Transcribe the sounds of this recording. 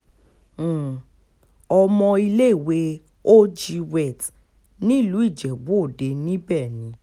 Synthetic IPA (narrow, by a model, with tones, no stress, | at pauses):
ɔ˧mɔ̃˧i˧le˦i˦˨we˨˦ | o˦d͡ʒi˧wɛ˦˨t | nĩ˦˨lu˨˦i˦˨d͡ʒɛ˨bo˨˦o˦˨de˨˧nĩ˦bɛ˦˨nĩ˨˦